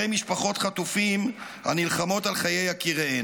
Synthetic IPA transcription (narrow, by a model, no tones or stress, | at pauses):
ejmiʃpaχo̞t̪χat̪ufim | ha̰nilχamo̞talχaje̞jakiʁee